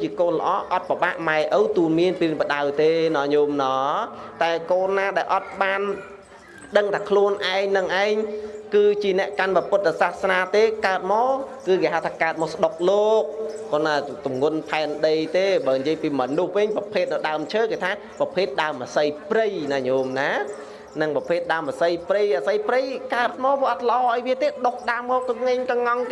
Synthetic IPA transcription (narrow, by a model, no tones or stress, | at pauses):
t͡ɕiəkoːnlə̆ʔɑːʔɑt̪̚paɓaːʔmaɛʔəwt̪uːlmiənpiŋpəɗawt̪eːnɑːɲumnɑːt̪aɛkoːnːaːɗaɛlʔɑt̪̚ɓaːn | ɗəŋt̪ʰaːkʰluənʔaɛŋnɨŋʔaɛŋkɨːt͡ɕiənɛ̆əʔkanpɑpʊt̪̚ːsaːhsnaːt̪eːkaət̪̚mɑːkɨːkeːɦaəwt̪ʰaːkaət̪̚mɔːsəɗok̚loːk̚kɔːnat̪umŋŭənpʰaɛnɗəjt̪eːɓaːnjiəjpiːmɔnuhʋɨŋprɑpʰeːt̪̚naɗaəmt͡ɕʰəːkeːt̪ʰaː | prɑpʰeːt̪̚ɗaəmʔaːsəjprɨjnaːɲoːmnaː | nɨŋpɑpʰeːt̪̚ɗaəmʔasəjprɨjʔaːsəjprɨjkaət̪̚mɔːʋɔəʔət̪̚lə̆ʔɑːʔəjʋiət̪eːɗohɗaəmːɔːk̚t̪əpŋɨɲkɑŋɑŋkː